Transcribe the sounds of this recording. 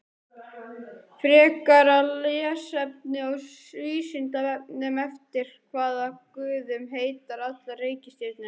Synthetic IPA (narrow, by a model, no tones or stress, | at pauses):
fɾɛːkaɾalɪasɛp̚nɪɔɣs | iːsɪnt̪avɛpnʏmɛft̪ɪɾ̥kʰvaːðakʏːðʏmɦeːjt̪aɾat̪lareːjcɪst̪et̪nɪ